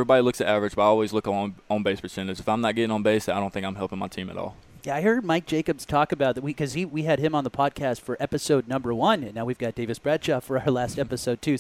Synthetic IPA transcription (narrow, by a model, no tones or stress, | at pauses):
vɹibɑɾilʊksɨɾævɹɨd͡ʒbʌɾaɪɔlˠwizlʊkə̃õnbeɪspʰəsɛ̃nɨzɨfãɪ̃mnət̚ɡ̥ɛɾɪ̃ŋə̃nbeɪsaɪɾõʊ̃nθɪ̃ŋkãɪ̃nɦɛlˠpɪ̃ŋmaɪtʰĩmɨ̰ɾɔ̰lˠ | jæaɪhɜ˞d̚maɪk̚d̥ʒ̥eɪkɨbz̥tʰɔkɨbaʊt̪̚ðɨt̚wikʰʌz̥iwiɨd̚ɨ̃mə̃nðəpʰɑd̚kʰæstfə˞ʔɛpɨsoʊdⁿnʌ̃mbə˞wʌ̃nɨ̃nːaʊwivɡɑt̚d̥eɪvɨsb̥ɹædʃɑfə˞aʊə˞læstɛpɨsoʊd̚tʰʉ